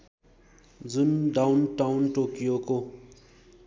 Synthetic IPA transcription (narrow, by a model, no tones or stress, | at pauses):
d͡zunɖawnʈawnʈokijoko